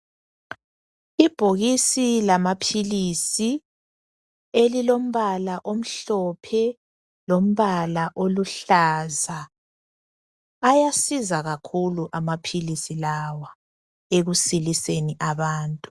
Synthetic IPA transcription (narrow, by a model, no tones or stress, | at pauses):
ib̥ʱoɣisilamapʰilisi | elilom̩βalaʔom̩ɬɔpʰɛ | lom̩βalaʔoluɬaza | jasizaɣakʰuluʔamapʰilisilawa | eɣusiliseniʔaβaːntʼu